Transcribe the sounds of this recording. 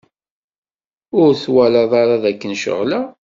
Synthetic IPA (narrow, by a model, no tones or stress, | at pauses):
ʊɾθwælɑðˤɑɾˤɑðækːənʃə̰ʁlæ